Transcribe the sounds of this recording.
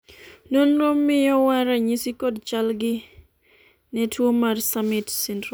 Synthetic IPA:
nonɾomːɪjɔwaɾaɲisikodt͡ʃalɡɪ | nɛtʰwomarsamɪtsɛndɾɔ

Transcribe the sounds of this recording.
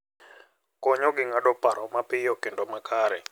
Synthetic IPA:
kɔɲoɡɪŋaɗɔpaɾɔmapɪjɔkendɔmakaɾɛ

